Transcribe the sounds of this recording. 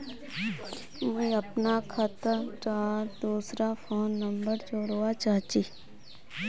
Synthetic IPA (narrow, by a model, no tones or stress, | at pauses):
meəpnakʰət̪əʈaːd̪uːsɾapʰoːnːəmbəɾd͡ʒoɽʋat͡ʃaːt͡ʃiː